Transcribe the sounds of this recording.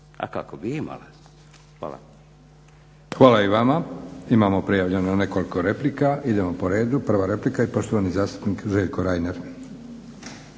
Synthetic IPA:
a̰ka̰kobiima̰la | xʋa̰ːla̰ | xʋaːlaiʋamaimamo̞pɾijaʋʎenone̞ko̞liko̞ɾe̞plikaʔid̪e̞mo̞po̞ɾe̞ːd̪upr̩ʋaɾe̞plikaipo̞ʃt̪oanizaːst̪u̥pniːkʒeʎkoɾajneɾ

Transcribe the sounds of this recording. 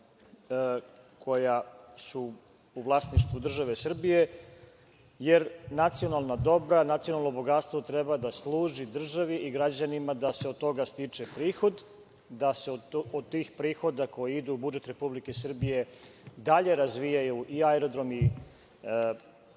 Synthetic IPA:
kʰo̞jasu | uʋlˠasniʃt̪ʋud̪r̩ʒaʋesr̩bije̞ | je̞ɾnat̪sijo̞nalˠnad̪o̞bɾanat̪sionalˠno̞bo̞ɡat̪st̪ʋo̞t̪ɾebad̪aslˠuːʒid̪r̩ʒaʋiʔiɡɾad͡ʑanimad̪aseod̪̚t̪o̞ɡast̪it͡ʂe̞pɾiːxo̞d̪ | d̪aseood̪t̪ːiːxpɾiːxo̞d̪ako̞jiid̪uːbud͡ʒe̞t̪ɾe̞publike̞sr̩bije̞d̪aʎe̞ɾazʋijajuʔiaeɾo̞d̪ɾo̞mi

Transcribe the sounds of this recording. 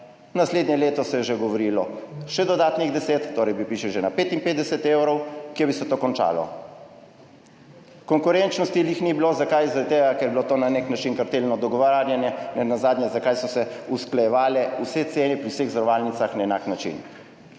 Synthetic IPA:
nasleːd̪njɛleːt̪ɔsɛjɛʒeɡɔʋoɾiːlɔʃɛd̪ɔd̪aːt̪niɣd̪ɛseːt̪ːoːɾɛjbipiːʃɛwʒenapeːt̪inpeːd̪d̪ɛsɛt̪ewɾɔwkjɛbisɛt̪oːkɔnt͡ʃa̰ːlɔ̰ | kɔŋkuɾent͡ʃnɔst̪ilixnibilozakajzaɾad̪t̪eːɡakɛɾjbilot̪oːnaneknat͡ʃinkaɾt̪elnɔd̪ɔɡɔʋaaɾjanjɛnɛnazaːd̪njɛzakajsɔsɛusklajɛʋaːlɛusɛt̪seːnipɾiwseɣzɾɔʋaːlnit̪saxnaɛna̰ːknat͡ʃḭn

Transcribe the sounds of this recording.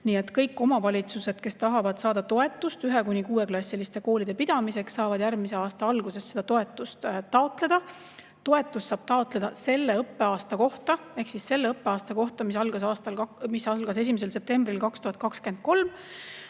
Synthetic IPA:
niːe̞t̪ːˑkɤjkːˑo̞mɑvɑlʲit̪suse̞d̪̥ke̞st̪ɑɦɑvɑd̪̥sɑːd̪ɑt̪o̞e̞t̪ːˑust̪yɦe̞kunʲikuːwe̞klɑsʲːilist̪e̞ko̞ːlid̥̪e̞pid̪̥ɑmise̞kssɑːvɑd̪̥jæɾmise̞ɑːst̪ɑɑlɡ̥use̞sed̪ɑt̪o̞e̞t̪ːˑust̪t̪ːɑot̪le̞d̪̥ɑ | t̪o̞e̞t̪ːˑusːɑːb̥̚t̪ɑot̪ˑle̞d̪̥ɑse̞lːe̞ɤpːe̞ɑːst̪ɑko̞ht̪ɑe̞hksisse̞lːeɤpːeɑːst̪ɑko̞ht̪ɑmisɑlɡ̥ɑsɑːst̪ɑlɑmisɑlɡ̥ɑs̬e̞s̬ʲimes̬e̞lse̞p̚t̪e̞mbrilkɑkst̪uhɑt̪̚ˑkɑkske̞nd̪̥̚ko̞lm

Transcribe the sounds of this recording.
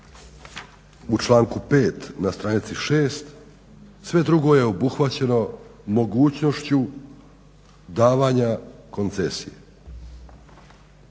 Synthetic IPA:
ut͡ʃlˠaːŋkupe̞ːt̪nast̪ɾanit̪siʃe̞ːst̪ | sʋe̞d̪ɾuɡo̞je̞o̞buxʋat͡ɕe̞no̞mo̞ɡuːt͡ɕno̞ʃt͡ɕu | d̪aːʋaɲako̞nt̪se̞sije

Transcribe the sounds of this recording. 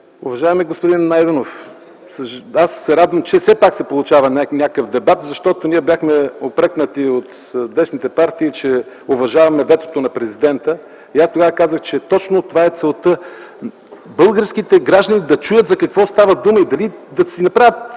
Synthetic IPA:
ʊvɐʒaɛmiɛɡospʊd̪inːajd̪ɛnof | səasːɛɾad̪vəmt͡ʃɛsɛpaksɛpolˠʊt͡ʃavɐnʲanʲakəfd̪ɛbat̪zɐʃt̪ɔt̪onʲiɛbʲjaxmɛopɾɛknət̪iot̪ | d̪ɛsnit̪ɛpaɾt̪iːt͡ʃɛ | ovɐʒavɐmɛvɛt̪o̥t̪onɐpɾɛzid̪ɛnt̪ə | iast̪oɡavəkazəxt͡ʃɛt̪ɔt͡ʃnot̪ovaɛt̪sɛlˠt̪ə | bɤlˠɡəɾskit̪ɛɡɾaʒd̪ənid̪ɐt͡ʃujət̪zɐkɐkvɔst̪avɐd̪uməid̪ɐlid̪ɐsinɐpɾavʲət̪

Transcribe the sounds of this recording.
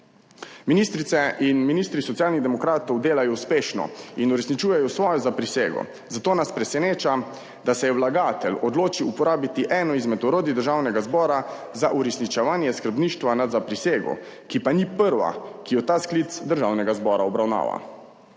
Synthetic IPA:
minist̪ɾit̪ɛʔinminist̪ɾisɔt̪sijaːlniɣd̪ɛmɔkɾaːt̪ɔwd̪eːlajɔwspeːʃnɔ̰inuɾɛsnit͡ʃuːjɛjɔsʋɔːjɔzapɾiseːɡɔ̰ | zat̪oːnaspɾɛsɛneːt͡ʃa | d̪asɛjɛwlaɡaːt̪ɛlɔd̪loːt͡ʃiupɔɾaːbit̪iʔɛːnɔizmɛt̪ɔɾoːd̪id̪əɾʒawnɛɡazbɔːɾa | zaʔuɾɛsnit͡ʃɛʋaːnjɛskəɾbniːʃt̪ʋanazapɾiseːɡɔ̰ | kipanipəɾʋa̰kijɔt̪aːsklit̪sd̪əɾʒaːwnɛɡazbɔːɾaɔbɾawna̰ːʋa̰

